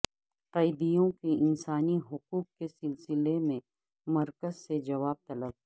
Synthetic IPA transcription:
qɐɪd̪ijõkeɪnsaːniɦʊquːqkesɪlsɪlemẽ | mɐɾkəzsed͡ʒɐʋaːb̚t̪ɐləb̚

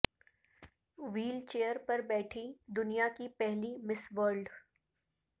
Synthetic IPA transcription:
ʋiːlt͡ʃeːjəɾpɐɾbɛːʈʰid̪ʊnijakipɛɦlimɪsʋəɾɖ

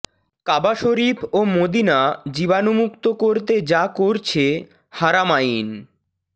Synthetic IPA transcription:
kabaʃoɾipʰomod̪inad͡ʑibanomukt̪okoɾt̪ed͡ʑakoɾt͡ɕʰe | haɾamajin

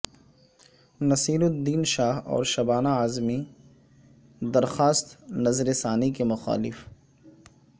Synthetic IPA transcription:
nɐsiːlʊd̪iːnʃaːɦɔ̰ːɾʃɐbaːnaaːzmi | d̪ɐɾxaːst̪nɐzɾesaːnikemʊxa̰ːlɪf

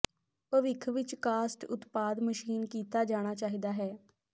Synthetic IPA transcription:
pəʋɪkʰʋɪt͡ʃkaːsʈʊt̪paːd̪məʃiːnkiːt̪aːd͡ʒaːɽ̃aːt͡ʃaːɦiːd̪aːɦɛː

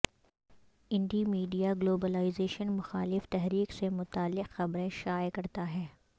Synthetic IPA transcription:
ɪ̃ɳɖimiːɖijaɡloːbəlaːɪzeːʃənmʊxaːlɪft̪ɛɦɾiːqsemʊt̪aːlːɪqxɐbɾẽʃaːjkɐɾt̪aɦɛː

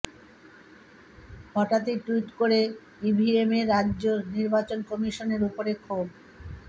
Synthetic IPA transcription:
hɔʈat̪iʈuiʈkoɾe | ibʱiemeɾadːd͡ʑoniɾbat͡ɕonkɔmiʃoneɾupoɾekʰob

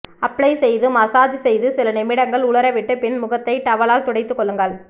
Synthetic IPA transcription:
ɐpːɭɐɪsɛjðɯmɐsaːd͡ʒsɛjðɯsɪlɐnɪmɪɽɐŋɡɐɭʊɭɐɾɐʋɪʈːɯpɪnmʊɣɐt̪ːɐɪt̪ɐʋɐɭaːlt̪ɔɽɐɪt̪ːɯkːɔɭːɯŋɡɐɭ

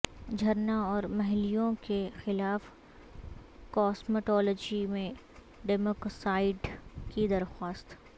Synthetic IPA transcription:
d͡ʒʱɐɾnãɔːɾmɐɦlijõkexɪlaːf | kɔːsməʈɔːlɔːd͡ʒimẽ | ɖɛːmoːksaːɪɖkid̪ɐɾxwaːst̪

